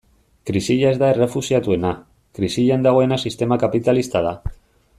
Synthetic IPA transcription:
kɾisiʎaezðaerefusjat̪uena | kɾisiʎaend̪aɣwenasist̪e̞makapit̪alist̪aða

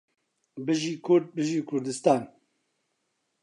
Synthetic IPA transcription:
bɨʒiːkʰʊɾd̪̚bɨʒiːkʰʊɾd̪ɨst̪aːn

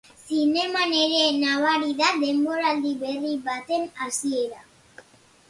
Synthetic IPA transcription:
sinemaneɾenaβaɾiðad̪emboɾald̪iβeribat̪enasieɾa

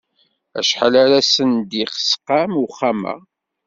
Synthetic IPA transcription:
æ̰ʃħalaɾæsənd̪iqsqamuχamæ̰

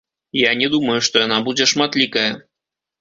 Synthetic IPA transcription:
janʲɛd̪umɐjuʂt̪ɔjanabud͡zʲɛʂmat̪lʲikɐjɐ

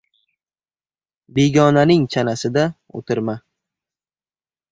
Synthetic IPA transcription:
beɡʲɒnanɪŋt͡ʃʰanasɪd̪a | o̰t̪ʰɪɾma

